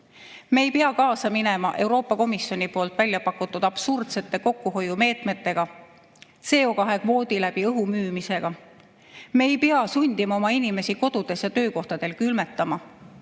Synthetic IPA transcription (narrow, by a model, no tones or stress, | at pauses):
me̞ːjpeɑkɑːsɑmine̞mɑʔe̞wɾo̞ːpːˑɑko̞misjo̞nipo̞ːlt̪ˑvælʲːjɑpɑkːˑut̪ːˑud̪̥ɑb̥surd̪̥se̞t̪ˑːe̞ko̞kːˑuɦo̞jume̞ːt̪me̞t̪ːe̞ɡ̥ɑ | se̞ːo̞kɑɦe̞kvo̞ːd̪ilæb̥iɤɦumyːmise̞ɡ̥ɑ | me̞ːjpeɑsunʲd̪̥imɑo̞mɑinime̞siko̞d̪̥ud̪̥e̞sjɑt̪ø̞ːko̞ht̪ɑd̪e̞lkylme̞t̪ːˑɑmɑ